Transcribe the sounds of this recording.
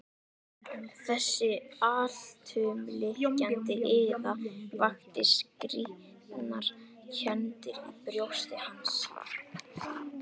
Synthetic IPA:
θɛsːɪaːl̥t̪ʰʏːmlɪhcant̪ɪʔɪðavaxt̪ɪskɾi | naɾ̥ | cʰœnt̪ɪɾipɾjowst̪ɪhans

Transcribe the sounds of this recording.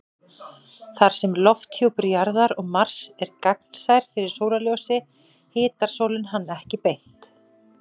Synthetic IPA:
θaɾ̥sɛmlɔft̪ʰjowpɪɾjaɾðaɾɔɣmar̥sɛɾkaknsajɾ̥fɪɾɪɾ̥soːwlaljoːwsɪ | hɪːt̪aɾ̥soːwlɪnɦanːɛhcɪpejn̥t̪

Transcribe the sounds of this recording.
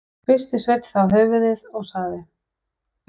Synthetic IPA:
fɪst̪ɪsvejp̪θawɦœːɥvʏðɪðɔɣsaːðɪ

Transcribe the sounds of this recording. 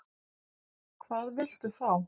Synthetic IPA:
kʰvaːðvɪl̥t̪ʏθaw

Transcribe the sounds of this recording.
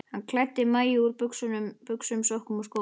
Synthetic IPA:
hankʰlat̪ːɪmaːjɪuɾpʏksʏnʏmpʏksʏmsohkʏmɔskoː

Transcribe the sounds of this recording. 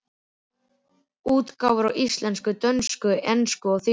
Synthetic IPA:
uːt̪kawvʏɾawʔist̪lɛnskʏt̪œnskʏʔɛnskʏɔɣθɪ

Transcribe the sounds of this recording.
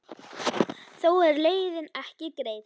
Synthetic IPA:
θowɛɾlejɾɪnæhcɪkɾejð

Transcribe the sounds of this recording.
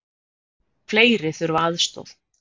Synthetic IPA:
fleːjɾɪθʏɾvaːðst̪o̰wð

